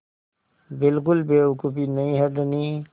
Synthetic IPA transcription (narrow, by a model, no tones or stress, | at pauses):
bɪlkʊlbekupinəɦĩɦəd̪nĩ